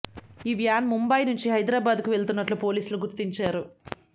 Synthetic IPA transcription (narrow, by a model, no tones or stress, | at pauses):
iːʋjaːnmumbɐjnuɲt͡ʃiɦɐjd̪ɾaːbaːd̪kuʋe̞ɭt̪unːɐʈlupo̞ːliːsuluɡuɾt̪iɲt͡ʃaːɾu